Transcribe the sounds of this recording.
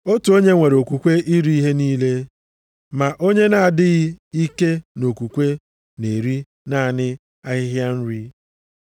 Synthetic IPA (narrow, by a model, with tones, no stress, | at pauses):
o˦tu˨o˦ɲe˦ŋʷe˨ɾo˨kʷu˨kʷe˦ʔi˦ɾi˦i˦ɦe˦niː˦le˦ | ma˨ʔo˦ɲe˦na˨a˨dɪ˦ɣɪ˦i˦ke˦no˨kʷu˨kʷe˦ | ne˨ɾi˦ | na˦˨nɪ˦ | a˦ɣɪ˦ɦja˦n̩˦ɾi˦